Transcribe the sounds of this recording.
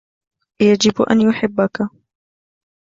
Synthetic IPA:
jad͡ʒɪbʔa̰njʊħɪbːaka

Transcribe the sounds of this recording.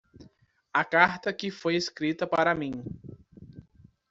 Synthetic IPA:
ɐkaɾt̪ɐkɪfojeskɾit̪ɐpaɾɐmĩ

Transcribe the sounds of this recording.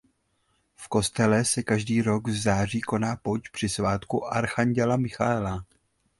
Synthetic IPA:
fko̞st̪ɛlɛsɛkaʒdiːɾo̞ɡvzaːriːko̞naːpot͡ʃpr̝̥ɪsvaːt̪kuʔaɾxaɲɟɛlamɪxaɛla

